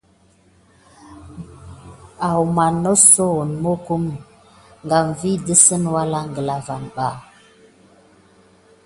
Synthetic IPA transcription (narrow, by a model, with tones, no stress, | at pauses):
a˨wma˨nːo˦so˦˨nmo˦ku˦m | ŋɡa˨ɱ˨vi˦də˦sə˦nwa˦la˦ŋɡə˨la˨va˨nɓa˦˨